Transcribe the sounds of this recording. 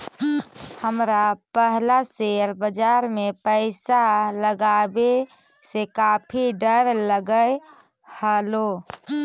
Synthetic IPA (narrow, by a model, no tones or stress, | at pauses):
həmɾapəɦlaseɾbəd͡ʒaɾmepəɪsaləɡabe | sekapʰiɖəɾləɡəj | həlo